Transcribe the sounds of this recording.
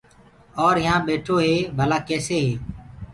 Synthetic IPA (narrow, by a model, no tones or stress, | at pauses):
ɔːɾɦɪjãːɓeːʈʰoːɦeːbʱəlaːkɛːseːɦeː